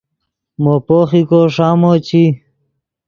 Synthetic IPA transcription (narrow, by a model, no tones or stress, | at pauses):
mopoːχikoʂaːmot͡ɕi